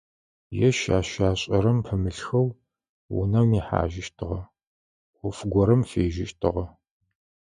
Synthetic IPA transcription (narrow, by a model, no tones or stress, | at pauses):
jɛʃaːɕaːɕʼɐɾɐmpʰɨmɨɬxɐw | wʊ̰nɐwmiːħa̰ːʒɪʃtʰɨʁɐ | ʔʷʊfɡʷɔɾɐmfeːʒɪʃtʰɨ̰ʁɐ